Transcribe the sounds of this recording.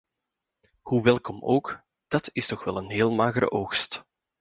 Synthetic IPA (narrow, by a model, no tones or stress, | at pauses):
huʋɛlˠkɔmoːk | d̥ɑtɪstɔxʋɛlˠənɦeːlˠmaːɣəɾə̰ʔoːxst